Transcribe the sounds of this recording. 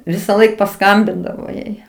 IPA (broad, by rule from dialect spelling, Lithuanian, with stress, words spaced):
ʋʲɪsɐˈlˠɐɪk pɐˈskɐmʲbʲɪndɐʋoː ˈjɛɪ